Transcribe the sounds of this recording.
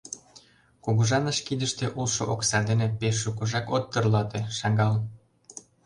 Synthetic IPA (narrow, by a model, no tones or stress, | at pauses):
kuɣuʒɑnəʃkid̪əʃt̪eʔulʃoʔoksɑd̪enepeʃːukuʒɑkot̪ːɤrlɑt̪eʃɑɡɑl